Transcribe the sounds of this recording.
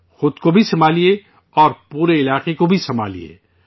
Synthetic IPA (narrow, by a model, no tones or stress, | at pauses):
xʊd̪kobʱisɐmaːlie | ɔːɾpuːɾeɪlaːqekobʱisɐma̰ːlḭḛː